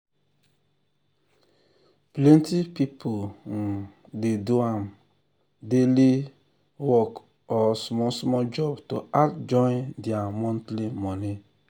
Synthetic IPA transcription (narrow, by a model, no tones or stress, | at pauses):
plɛntipipʰon̩ | deduam | deli | wɔk | ɔsmɔsmɔd͡ʒɔbtoakd͡ʒɔ̃ɪ̃ndiamɔ̃ntlimɔni